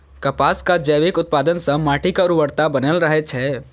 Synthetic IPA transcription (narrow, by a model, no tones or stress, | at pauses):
kəpaskad͡ʒəʋekʊt̪̚paːd̪ənsə̃maːʈʰikaɾuʋəɾt̪abənəlɾəɦet͡ʃʰɛ